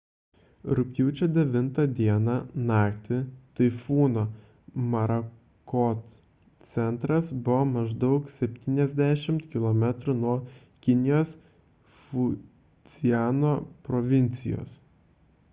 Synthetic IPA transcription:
ɾʊkʲjuːt͡ʃʲod̪ʲɛʋʲɪnt̪ɐd̪ʲiɛnɑnɑːkt̪ʲɪt̪ɐɪfuːnoː | mɐɾɐ | koːt̪ | sʲɛnˑt̪ɾɐsbʊʋomɐʒd̪ɒʊksʲɛpʲt̪ʲiːnʲɛzʲd̪ʲæʃʲɪmt̪kʲɪlˠoːmʲɛt̪ɾʊnuɔ | kʲɪnʲɪjoːs | fʊ | z̥ʲɪjæːnoːpɾoʋʲɪnʲt̪sʲɪ̰jo̰ːs

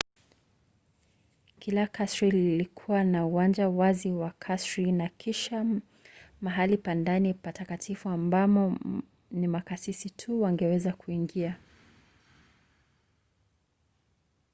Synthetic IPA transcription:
kʰilakʰasɾililikʰuwanauwand͡ʒawaziwakʰasɹinakʰiʃa | maɦalipandanipatakatʰifuambamɔ | nimakasisitʰuwaŋɡɛwɛzakuiŋɡia

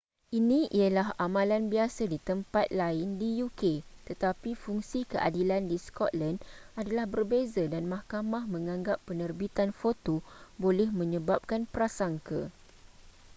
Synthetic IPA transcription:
ʔinĩʔiəlaɦamãlanbiasadit̪əmpat̪̚laɪndijuket̪ət̪apifuŋsikəʔa̰dilandiskɔt̪̚landadalahbərbezadanmãhkamahmə̃ŋãŋɡapːənərbit̪anfot̪obolɛhmə̃ɲə̃bap̚kanpəɾasaŋka̰

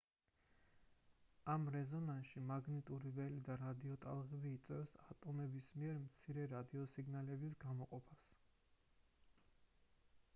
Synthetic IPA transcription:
amɾɛzɔnanʃimaɡnit̪ʼuɾivɛlid̪aɾad̪iɔt̪ʼalˠʁɛbiːt̪sʼwɛfsat̪ʼɔmɛbismiɛɾmt̪sʰiɾɛɾad̪iɔsiɡnalɛbisɡamɔqʼɔpʰas

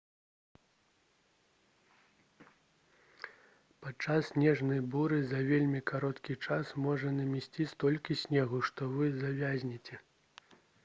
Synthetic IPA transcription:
pat̪t͡ʂasːnʲɛʐnɐjbuɾɨzɐvʲelʲmʲikaɾɔt̪kʲit͡ʂasmɔʐɐnɐmʲɛsʲt͡sʲist̪ɔlʲkʲisʲnʲɛɣuʂt̪ɔvɨzavʲazʲnʲit͡sʲɛ

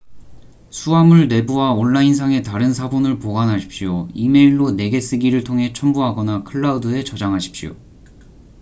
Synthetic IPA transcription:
sʰuamuɭne̞buwaonːains̬ʰaŋe̞taɾɯnsʰabonɯɭpoɡanɦaɕʰi̥p̚ɕioime̞iɭːone̞ɡe̞s͈ɯɡiɾɯɭtʰoŋɦe̞t͡ɕʰʌmbuɦaɡʌnakʰɯɭːaudɯe̞t͡ɕʌd͡ʑaŋɦaɕʰi̥pɕio̰

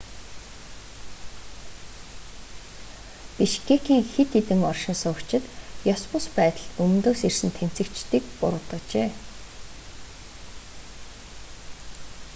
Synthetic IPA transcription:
piʃkʰekiːŋxet̪ʰːet̪ɘ̆ŋɔrʃɪ̆nsʊkt͡ɕɪ̆t̪jɔspʊ̆spæːt̪ə̆ɮɵm̆nt̪oːsersɘ̆nt̪ʰen̥t͡sɘ̆kt͡ɕt̪iːkpʊ̰ɾʁə̆t̪ə̆kt͡ɕeː

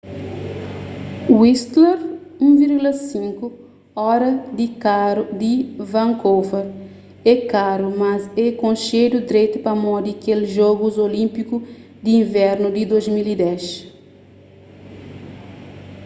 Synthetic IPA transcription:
wist̪leɾũviɾɡulɐsĩŋku | ɔɾɐd̪ikaɾud̪ivɐ̃ŋkowfɐɾ | ɛkaɾumɐzɛkõnʃed̪ud̪ɾet̪upɐmɔd̪ikelʒɔɡuzolĩmpiku | d̪iĩvɛɾnud̪id̪ozmilid̪ɛʃ

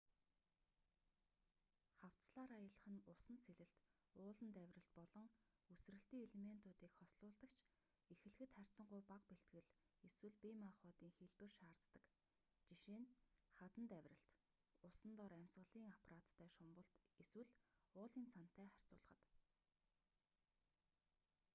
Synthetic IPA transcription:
χaw̥t͡sɮaːɾaːjə̆ɮ̆χə̆nʊsə̆nsʰeɮɘ̆ɬt̪ | ʊːɮə̆nt̪æwʲrə̆ɬt̪̚pɔɮɞ̆ŋ | ɵsrɘ̆ɬt̪iːŋeɮemen̥t̪ʊːt̪iːkχɔsɮʊːɮt̪ə̆kt͡ɕʰ | exɘ̆ɮxɘ̆t̪χær̥ʲt͡sə̆ɴɢʊjpaqpeɬt̪̚ɡɘ̆ɮeswɘ̆ɮpimaχɔːt̪iːŋxiɮpɘ̆rʃaːrt̪ːə̆k | t͡ɕiʃeːnχat̪ə̆nt̪æwʲrə̆ɬt̪ | ʊsə̆nt̪ɔɾæmʲsʁə̆ɮiːŋapʰarat̪ːʰæːʃʊmpə̆ɬt̪eswɘ̆ɮʊːɮiːnt͡sʰan̥t̪ːæːχær̥ʲt͡sʊːɮə̆χə̆t̪

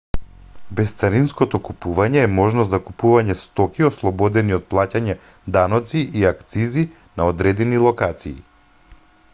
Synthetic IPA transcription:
bɛst̪saɾinskɔt̪ɔkupuvaɲɛːmɔʒnɔszakupuvaɲɛst̪ɔkiɔslˠɔbɔd̪ɛniɔt̪̚plˠacaɲɛ | d̪anɔt̪siʔiakt̪sizi | naɔd̪ɾɛd̪ɛnilˠɔkat̪sḭː

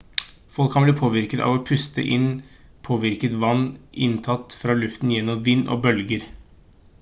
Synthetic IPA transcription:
fɔlkʰːɑnbliːpʰoːʋɪɾkət̪ɑ̰ːʋɔpʰʉst̪ə̰ʔɪnːpʰoːʋɪɾkət̪ʋɑnːʔɪnt̪ʰɑt̪ːfɾɑːlʉft̪njɛnːɔmʋɪnːʔɔ̰bœlɡəɾ

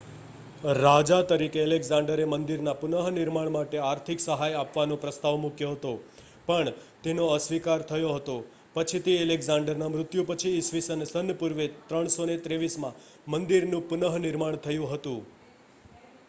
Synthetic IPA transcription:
ɾad͡ʒat̪əɾikeəleɡzãɳɖəɾemənd̪iɾnapʊnəɦnɪɾmaɳmaʈeaɾt̪ʰiksəɦajapʋanõpɾəst̪aʋmukʰjoɦət̪o | pəɳt̪enoəsʋikaɾt̪ʰəjoɦət̪o | pət͡ʃʰit̪eeleɡzãɳɖəɾnamɾʊt̪jupət͡ʃʰiːsʋisənsənəpuɾʋet̪ɾəɳ̃sonet̪ɾeʋismã | mənd̪iɾnũpʊnəɦnɪɾmaɳ̃t̪ʰəjũɦət̪ũ

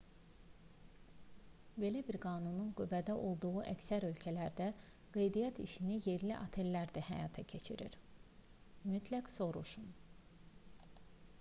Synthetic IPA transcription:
be̞læbiɾɡɑːnununɡyvæd̪æʔo̞lˠd̪uɣuʔæcsæɾø̞lcʰælæɾd̪æ | ɡ̥ejd̪ijɑt̪ʰḭʃinije̞ɾliʔɑ̰t̪ʰelːæɾd̪æhæ̰jɑːt̪ʰɑcʰe̞t͡ʃʰiɾḭɾ | myt̪ʰlækso̞ɾuʃun

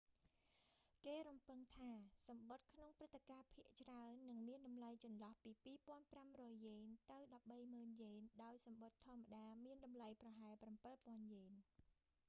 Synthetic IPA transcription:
keːɾumpɨŋt̪ʰaːsɑmɓot̪̚kʰnoŋprɨt̪ːekaːpʰiəʔt͡ɕraənːɨŋmiənɗɑmlajt͡ɕɑnlɑhpiːpiːpŏənpramrɔːjːeːnt̪ɨwɗɑp̚ɓəjməːnjeːnɗaɔjsɑmɓot̪ʰːŏəmːaɗaːmiənɗɑmlajprɑɦaɛlprampɨlpŏənjeːn

